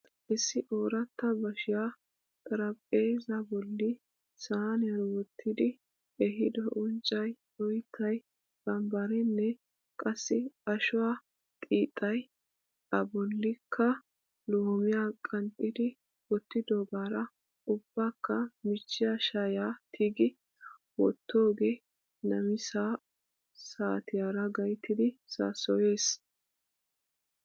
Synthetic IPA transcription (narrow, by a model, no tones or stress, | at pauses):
ʔɪsːɪʔoːɾɐt̪ːɐbɐʃɪja | t̪ʼɐɾɐpʼeːzɐbɔlːɪ | saːnɛɾɔwɔt̪ʰːɪd̪ɪ | ɛɦɪd̪ɔʔʊnt͡ʃʼːɐj | ɔjt̪ʰːɐj | bɐmbɐɾɛnːɛ | kʼɐsːɪɐʃʊwaː | t̪ʼiːt̪ʼːɐj | ɐbɔlːɪkʰːɐ | loːmɪjaːkʼɐnt̪ʼːɪd̪ɪ | wɔt̪ːɪd̪oːbaːɾɐ | ʊb̥ːaːkːɐmɪt͡ʃːɪjaʃajaːt̪ʰiːɡɪ | wɔ̰t̪ːo̞ːɡeː | nɐmɪsaː | saːt̪ʰɪjaːɾɐɡɐjt̪ːɪd̪ɪsa̰sɔje̞ːs